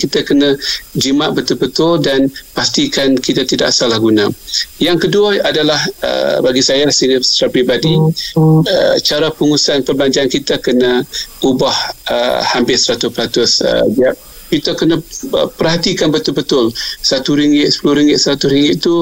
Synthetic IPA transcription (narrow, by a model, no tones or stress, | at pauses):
kit̪akənə̃d͡ʒimaʔbət̪ʊlbət̪ʊldanpast̪ikankit̪at̪ida̰ʔsalahɡunãjaŋkəduaadalahə̰baɡisajasisə̥tapɾibadi | ə̰t͡ʃaɾapəŋusanpərblaɲd͡ʒaankit̪akənaubahə̰hampɪsəɾat̪ʊspəɾat̪ʊsə̰d͡ʒia | kit̪əkənaəpərɦat̪ikanbət̪ʊlbət̪ʊlsat̪uɾiŋɡɪt̪sə̥pulʊhɾiŋɡɪt̪̚səɾat̪ʊsɾiŋɡɪʔ̪̚t̪u